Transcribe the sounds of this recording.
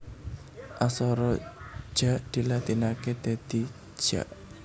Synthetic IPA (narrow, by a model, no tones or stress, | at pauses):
ʔasɔɾɔ̥ʒ̥aʔd̪̥i̤lat̪inaket̪et̪i̥ | ʒ̥a̰ʔ